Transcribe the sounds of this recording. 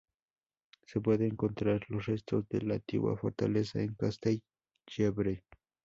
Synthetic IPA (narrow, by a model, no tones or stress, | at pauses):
sep̬weðeːŋkont̪ɾaɾlosɾest̪osd̪elat̪ḭwa̰foɾt̪alesaeŋkast̪ej | jebɾe